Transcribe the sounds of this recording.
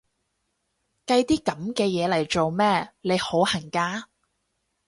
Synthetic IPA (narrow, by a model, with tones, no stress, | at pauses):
kɐ˧jt̪iː˥kɐ˨˥mkɛː˧jɛː˨˧lɐ˨˩jt͡ʃo˨wmɛː˥le˨˧jho˨˥whɐ˨˩ŋkaː˧